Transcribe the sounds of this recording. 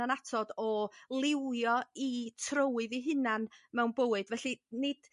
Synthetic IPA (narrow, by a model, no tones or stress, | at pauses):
anatʰɔdɔlˠɪwjɔitʰrəwɨðiɦɨnanmɛwnbəwɨdvɛɬinɪd̥